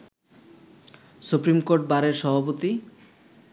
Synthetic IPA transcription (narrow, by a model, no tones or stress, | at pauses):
supɾimkoɾʈ̚baɾeɾʃɔbʱapot̪i